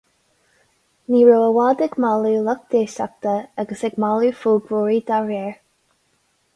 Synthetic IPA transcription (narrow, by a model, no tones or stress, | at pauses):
niːɹoːəwaːd̪ɛɡmalulək̚d̪̥eːʃa̰k̚t̪əaɡəsɛɡmalufuːbɹuːɹiːd̪aɹɛːɹ